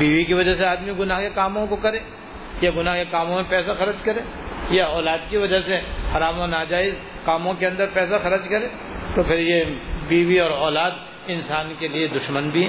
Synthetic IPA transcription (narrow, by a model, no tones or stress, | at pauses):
biːʋikiʋɐd͡ʒaseaːd̪miɡʊnaːɦkekaːmõkokɐɾẽː | jaɡʊnaːɦkekaːmõmẽpɛːsaxɐɾəd͡ʒkɐɾẽː | jaɔːlaːd̪̚kiʋɐd͡ʒasehɐɾaːmonaːd͡ʒaːɪz | kaːmõkeɐ̃nd̪əɾpɛːsaxɐɾəd͡ʒkɐɾẽː | t̪opʰɪɾjebiːʋiɔːɾɔːlaːd̪ | ɪ̃nsaːnkelied̪ʊʃmənbʱiɦɛː